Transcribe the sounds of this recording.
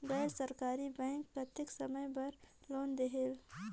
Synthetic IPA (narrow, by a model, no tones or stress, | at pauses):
ɡɛːɾsɐɾkaːɾibɛ̃ːŋkːat̪ɪksɐməjbɐɾloːnd̪eɦel